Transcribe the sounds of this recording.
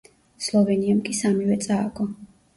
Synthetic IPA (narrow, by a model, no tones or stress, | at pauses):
slˠɔvɛniamkʼisamivɛt̪sʼaːɡɔ